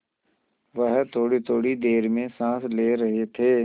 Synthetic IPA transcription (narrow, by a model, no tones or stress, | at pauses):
ʋəɦt̪ʰoːɽit̪ʰoːɽid̪eːɾmẽsãːsleːɾɐɦet̪ʰeː